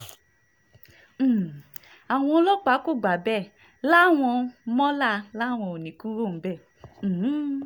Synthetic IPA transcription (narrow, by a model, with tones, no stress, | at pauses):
a˨w̃ɔ̃˧o˧˦lɔ˦k͡pa˨˦ko˦˨ɡ͡ba˨˦bɛ˦˨ | la˦˨w̃ɔ̃˧mɔ̃˦la˦˨la˦˨w̃ɔ̃˧o˨nĩ˨˦ku˦ɾo˦˨m̩˨˦bɛ˦˨˦